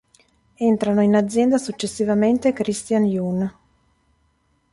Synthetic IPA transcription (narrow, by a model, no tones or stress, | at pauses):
ent̪ɾanoinad̪zjɛnd̪asut͡ʃːesːivament̪ekɾist̪janjun